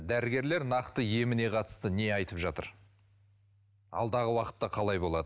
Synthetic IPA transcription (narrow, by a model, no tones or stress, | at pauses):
d̪æɾɪɡʲe̞ɾle̞ɾnɑqt̪əje̞mɪne̞qʰɑt̪ə̥st̪əne̞ɑjt̪əpʒɑt̪ə̰ɾ | ɑ̰lˠd̪ɑʁəwɑqət̪ːɑqʰɑlˠɑjbo̞lˠɑd̪ə